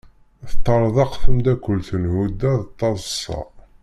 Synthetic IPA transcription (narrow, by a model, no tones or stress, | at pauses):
θət̪ˤːɑɾˤðˤɑqθəmd̪ækʷːəlθənhud̪ːæðt̪ˤːɑzˤəsˤːɑ̰